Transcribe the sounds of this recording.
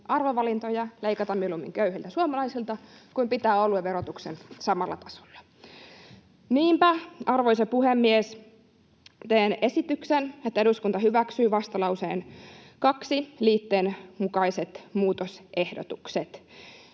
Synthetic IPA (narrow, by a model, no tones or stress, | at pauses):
ʔɑrʋoʋɑlint̪ojɑleikɑt̪ɑmːmilumːḭŋkøyhilt̪æsuomɑlɑjsilt̪ɑkuimpit̪æːolueʋeɾot̪uksensɑmɑlːɑ̰t̪ɑ̥so̥lːɑ̥ | niːmpæʔɑrʋojsepuhemːies | t̪eːne̞sit̪yksenet̪ːæeɾuskunt̪ɑhyʋæksyːʋɑst̪ɑlɑusḛːnkɑksiliːt̪ːeːnmukɑiset̪muːt̪osʔe̞hdot̪ukset̪